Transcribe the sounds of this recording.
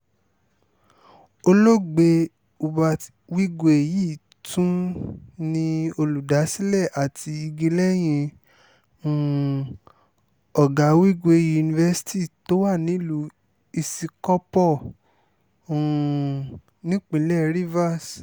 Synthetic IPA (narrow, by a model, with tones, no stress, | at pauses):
o˧lo˦˨ɡ͡be˧ | u˧ba˧ | wi˦ɡo˧˦e˨ji˦˨ | tʰũ˦nĩ˧o˧lu˨da˨˦si˦lɛ˦˨ʔa˨tʰi˧i˧ɡi˧lɛ˦j̃ĩ˧˨ | ɔ˨ɡa˨˦wi˦ɡo˧e˧˨ji˦u˧nĩ˧vɛ˧si̥˦ti˦˨to˦wa˦˨nĩ˨˦lu˧˦ | i˧si˧kɔ˦pɔ˦˨ | nĩ˦k͡pĩ˨˧˦lɛ˦ɾi˦va˦˨s